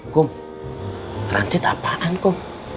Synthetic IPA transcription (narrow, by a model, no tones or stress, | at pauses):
kʊm | t̪ra̰nsɪt̪a̰paʔankʊm